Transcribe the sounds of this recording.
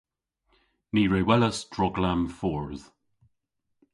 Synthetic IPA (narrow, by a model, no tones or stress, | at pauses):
niːɹewɛləsd̥ɹɔɡlamfɔɹð̥